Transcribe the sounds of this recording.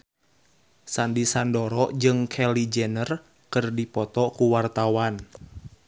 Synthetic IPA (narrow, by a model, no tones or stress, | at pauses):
sandisandɔɾɔd͡ʒɨŋkʰɛlid͡ʒɛnər | kərdipɔt̪ɔkuwart̪awan